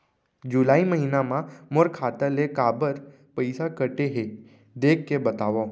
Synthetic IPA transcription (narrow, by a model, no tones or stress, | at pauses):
d͡ʒulaːiməɦinamãmoɾkʰaːt̪əlekabəɾ | pəjsakəʈeɦe | d̪ekʰːebət̪aʋõ